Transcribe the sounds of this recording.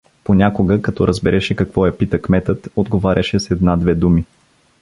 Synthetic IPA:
ponʲakoɡəkɐt̪ɔɾʔəzbɛɾʔɛʃɛkɐkvɔjɐpit̪əkmɛt̪ət̪od̪ɡovaɾʲʔɐʃɛsɛd̪nad̪vɛd̪umi

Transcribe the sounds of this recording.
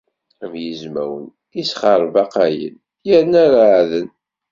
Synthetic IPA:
mjəzmæ̰wə̰n | isχɑɾˤvɑqæjə̰n | jəɾnaɾaʕðən

